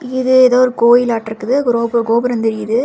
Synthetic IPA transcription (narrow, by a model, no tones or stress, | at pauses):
ɪðɯɛðaːɔɾɯkoːjɪlaːʈːɪɾɯkːɯðɯɡɾoːbɐɡoːbɐɾɐnd̪ɛɾɪjðɯ